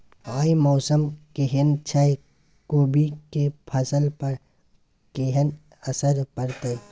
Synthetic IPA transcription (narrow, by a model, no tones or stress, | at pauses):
aːimɔːsəmkeɦɪnt͡ʃʰaj | koːbikepʰɐsəlpəɾ | keɦən | ɐsəɾpɐɾt̪e